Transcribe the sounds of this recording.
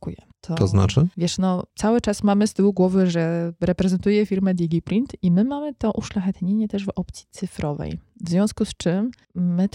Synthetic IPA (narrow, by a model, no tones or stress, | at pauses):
kujɛ̰ | t̪ʰɔt̪ɔzna̰t͡ʂɘvʲjɛʂnɔt̪sawɘt͡ʂasmamɘst̪ɘwuɡwɔvɘʐɛɾɛpɾɛzɛnt̪ujɛfʲiɾmɛd̪ʲiɡʲipɾint̪imɘmamɘt̪ɔʔuʂlaxɛt̪ɲeɲɛt̪ɛʐvɔp̚t̪sʲjit̪sɘfɾʔɔvɛ̰j | vzvʲjɔ̃w̃skust͡ʂɘmː | ɘ